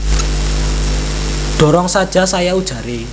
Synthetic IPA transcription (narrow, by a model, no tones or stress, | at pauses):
ɖ̥ɔ̤ɾɔŋsad̥ʒ̥a̤sajaud̥ʒ̥ä̤ɾe